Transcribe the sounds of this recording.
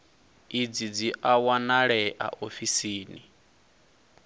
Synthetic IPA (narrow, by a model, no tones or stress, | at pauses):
id͡zid͡ziʔawanaɺɛʔa̰ʔofisiːni